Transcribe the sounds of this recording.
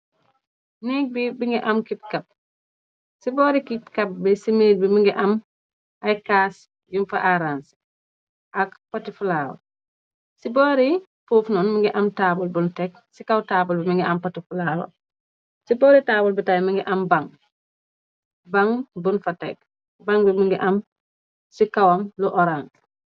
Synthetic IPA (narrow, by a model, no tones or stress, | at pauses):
nik̚bibiŋɡɛʔamkit̚kɐp̚ | sibɔːɾikit̚kɐp̚bɛsimeːlbimiŋɡɛʔɐm | ʔajkaːs | junfaʔaɾans | ʔakpatifulaːwɐ̰ | sibɔɾi | fuːfnɔnmiŋɡiʔamtaːbulbuntɛk | sikawtaːbulbimiŋɡiʔampatifulaːwo̰ | sibɔːɾitaːbulbitajmiŋɡɛʔambaŋ | baŋbunfatɛ̰k̚ | baŋbimiŋɡiʔam | sikawamluʔɔɾaːns